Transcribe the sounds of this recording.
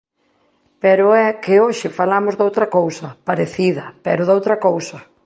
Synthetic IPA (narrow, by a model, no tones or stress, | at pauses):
pɛɾʊɛkɪoʃɪfalamʊzðowt̪ɾɐkowsɐpaɾeθiðɐpɛɾʊðowt̪ɾɐkowsɐ